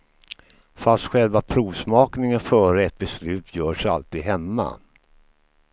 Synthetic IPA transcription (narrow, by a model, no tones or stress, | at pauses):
fasst̪ɧɛlvapʰɾuːvsmɑːknɪŋənfœːɾəɛt̪̚bɛslʉ̟ːt̪ʰjœːʂa̰lt̪iːd̪ɦɛmːa̰